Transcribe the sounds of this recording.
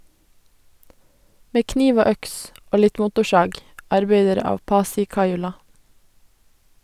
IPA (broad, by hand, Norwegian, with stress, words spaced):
ˈmeː ˈkniːʋ ˈoː ˈœks ˈoː ˈlɪt ˈmʊtʊˌʃɑːɡ ɑɾˈbɛdəɾ ˈɑːʋ ˈpɑːsɪ ˈkɑɪʉlɑ